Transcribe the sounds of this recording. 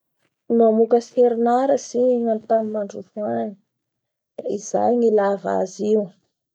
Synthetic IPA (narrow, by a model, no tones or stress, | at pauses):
nuamukəseɾinaɾəsiŋant̪amimaɳɖ͡ʐuvuaɲi̥ | d̪̥aiz̥a̰jŋilava̰ziw